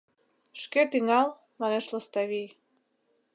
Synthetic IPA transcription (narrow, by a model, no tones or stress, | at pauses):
ʃket̪iŋɑlˠ | mɑneʃləst̪ɑβij